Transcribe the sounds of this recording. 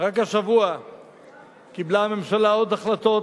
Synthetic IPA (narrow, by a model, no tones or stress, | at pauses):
ʁakaʃavua | kiblaːme̞mʃalao̞d̪aχlat̪o̞